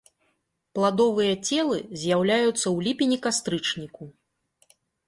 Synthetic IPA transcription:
plˠad̪ɔvɨjɐt͡sʲɛlˠɨzʲjawlʲajut̪sːɐwlʲipʲinʲikast̪ɾɨt͡ʂnʲiku

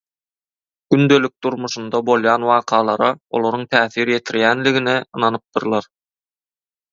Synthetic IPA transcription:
ɡ̥ynd̪ø̞lʲyk̚d̪uɾmuʃund̪ɑbo̞lˠjɑːnwɑːqʰɑːlˠɑɾɑo̰lˠoɾuŋt̪ʰæːθiɾje̞t̪ʰiɾjænliɣinɛɯnɑnɯp̚d̪ɯɾlˠɑɾ

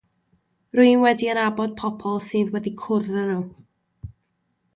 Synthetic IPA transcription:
rʊɨnwɛdiənabɔd̥̚pʰɔpʰɔlˠsɨːðwɛdikʰʊrðənu

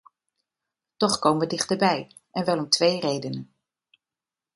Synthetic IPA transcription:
tɔχkowmənʋədɪχtəɹbɛj | ʔɛnʋɛlˠɔmtʋejrejdənən

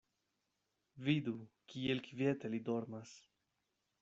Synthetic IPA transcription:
vid̪ukielkvijet̪elid̪o̞ɾmas

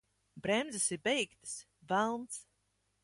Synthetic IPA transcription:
bɾɛmzɨsiɾbɛjkt̪ɨ̥s | vælˠnt̪s

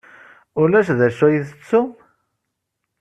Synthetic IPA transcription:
ʊlæʃðæʃæjiθət͡sːum

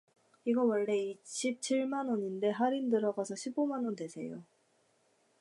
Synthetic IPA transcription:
iɡʌwʌɭːe̞iɕʰip̚t͡ɕʰiɭmanoɲinde̞ɦaɾindɯɾʌɡasʰʌɕʰibomanonde̞sʰe̞̰jo̰

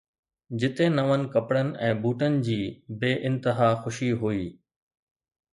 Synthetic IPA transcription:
d͡ʑɪt̪ẽnɐʋənɪ̆kɐpɽənɪ̆ʔɛ̃ːbuːʈənɪ̆d͡ʑiːbeːʔɪ̃nt̪ɪɦaːxʊʃiɦuiː

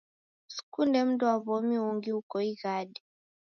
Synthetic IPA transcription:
su̥kundɛm̩dɔwaβɔmiuŋɡihukɔiɣaɗɛ

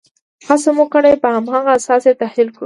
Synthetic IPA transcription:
hasomukəɽajpəhamhaɣasɑset̪ahlilkṵ

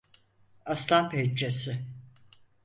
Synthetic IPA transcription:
aslˠamped͡ʒd͡ʒesɪ

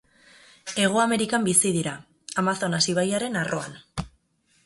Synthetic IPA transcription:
e̞ɣ̞oame̞ɾikambisiðiɾa | amaθo̞nasiβ̞ajaɾe̞narʔo̞an

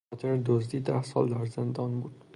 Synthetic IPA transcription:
ɒt̪ʰɪɾd̪ozd̪id̪ahsɒ̰lˠːaɾzɪnd̪ɒnbud̪

